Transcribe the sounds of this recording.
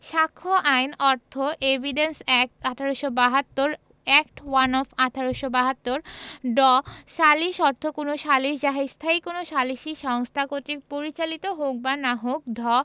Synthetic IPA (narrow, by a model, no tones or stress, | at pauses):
ʃakʰːoʔajnɔɾt̪ʰoʔebʱiɖensɛkat̪ʰaɾoʃobaɦat̪ːoɾ | ɛkʈwanɔfat̪ʰaɾoʃobaɦat̪ːoɾɖɔʃaliʃɔɾt̪ʰokonoʃaliʃd͡ʑaɦest̪ʰajkonoʃaliʃiʃɔŋst̪ʰakot̪ikpoɾit͡ɕalit̪oɦok̚banaɦok̚d̪ʱɔ